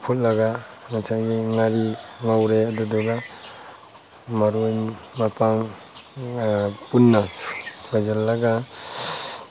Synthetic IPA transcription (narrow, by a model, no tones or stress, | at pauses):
pʰut̚laɡaŋasʰaɡiŋaɾiŋawɾeadudɔɡa | maɾujmapaŋ | punːabazalːaɡa